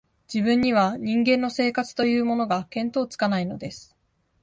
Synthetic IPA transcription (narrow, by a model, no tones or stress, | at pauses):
d͡ʑibɯ̟̃ɲ̟ːiβ̞aɲ̟ĩŋɡẽ̞nːo̞se̞ːkat͡sɨ̥t̪o̞jɯ̟ːmo̞no̞ɡakẽ̞nt̪o̞ːt͡sɨ̥kanaino̞d̪e̞sɨ̥